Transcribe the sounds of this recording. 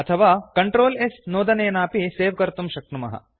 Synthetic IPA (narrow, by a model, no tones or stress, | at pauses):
ɐt̪ʰɐʋaːkɐɳʈɾoːlesnoːd̪ɐneːnaːpiseːʋkɐɾt̪umʃɐk̚ɳumɐ̰ɦɐ̰